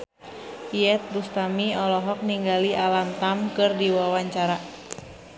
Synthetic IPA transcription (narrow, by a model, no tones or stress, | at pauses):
iɛt̪̚bust̪amiɔlɔɦɔk̚niŋɡaliʔalamt̪amkɨrdiwawaɲt͡ʃaɾa